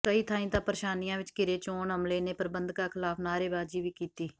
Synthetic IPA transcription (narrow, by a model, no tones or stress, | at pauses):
kəiːt̪ʰãːĩːt̪ãːpəɾʃaːniːãːʋɪt͡ʃkɪɾeːt͡ʃoːɳɦəmleːneːpəɾbənd̪kaːkʰɪlaːpʰnaːɾeːbaːd͡ʒiːʋiːkiːt̪iː